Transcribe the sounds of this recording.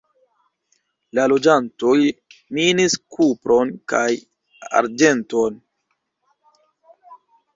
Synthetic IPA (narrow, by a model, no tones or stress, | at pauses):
lalo̞d͡ʒanto̞jminiskʰupɾo̞nkaj | a̰ɾd͡ʒe̞nto̞n